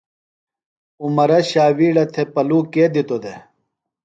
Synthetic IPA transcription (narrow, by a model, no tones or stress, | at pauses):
umɐɾɐɕaːwiːɽɐt̪ʰepɐluːkeːd̪it̪od̪e